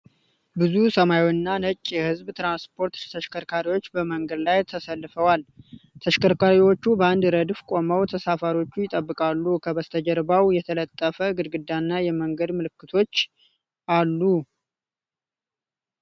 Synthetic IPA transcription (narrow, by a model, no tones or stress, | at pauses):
bɨzusəmajwnːanət͡ʃʼːjɛhɨzbt̪ɾanspʰo̞ɾt̪t̪ʰəʃkʰəɾkʰaɾiwo̞t͡ʃːbəməŋɡəd̪lajt̪ʰəsəlːɨfəwalt̪ʰəʃkʰəɾkaɾiwo̞t͡ʃːubəand̪ɾəd̪fkʼo̞məwt̪ʰəsafaɾo̞t͡ʃːujɪt̪ʼəbːɨkʼalːukʰəβəst̪ʰəd͡ʒəɾbawjɛt̪ʰələt̪ʼːəfəɡɨd̪ɡɨd̪ːanːajɛməŋɡəd̪mɨlɨkːɨt̪ʰo̞t͡ʃː | ʔalːu